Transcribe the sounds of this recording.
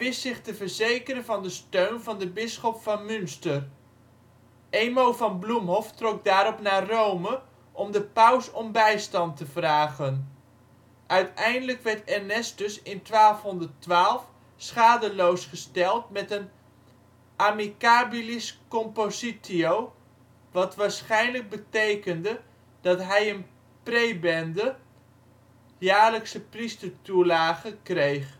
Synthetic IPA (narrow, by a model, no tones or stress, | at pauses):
ʋɪstːɪχtəvəɹzejkəɾənvɑndəstøɥnvɑndəbɪsχɔpfɑnmʏnstər | ejmowvɑnblumɦɔftrɔk̚daːɾɔpnaːrowmə | ʔɔmdəpʌwsɔmbɛjstɑntəv̥raːχən | ʔœɥtɛjndələkʋɛɹtɛɹnɛsdɵsɪntʋaːlˠfɦɔndərtʋaːlˠf | sχaːdəlowsχəstɛlˠtmɛtən | ʔamikaːbiliskɔmpositiow | ʋɑtʋaːɹsχɛjnləɡ̚bətejkəndə | d̥ɑtɦɛjən | prejbɛndə | jaːɹləksəpristəɹtulaːɣəkrejχ